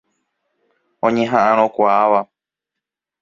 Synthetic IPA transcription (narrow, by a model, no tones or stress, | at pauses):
õɲẽɦãʔãɾ̃õkʷaaʋa